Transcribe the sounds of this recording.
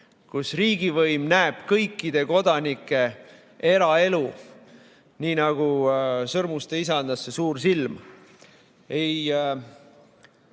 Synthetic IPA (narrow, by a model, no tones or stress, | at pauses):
kusriːɡivɤjmnæeb̥kɤjkːid̪̥e̞ko̞d̪̥ɑnikːˑe̞ | eɾɑe̞lu | niːnɑɡ̥usɤrmust̪e̞isɑnd̪̥ɑsːe̞suːɾsilm | e̞j